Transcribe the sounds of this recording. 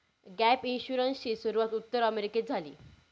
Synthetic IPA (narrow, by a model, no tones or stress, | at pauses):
ɡæpinɕuɾənsɕiːsuɾuʋat̪ut̪ːəɾəmeɾiked͡zʱalḭː